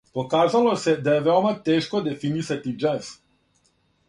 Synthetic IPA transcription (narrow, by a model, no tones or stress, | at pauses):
po̞kaːzalo̞sed̪ajeʋeomat̪eːʃkod̪e̞finisat̪id͡ʒɛs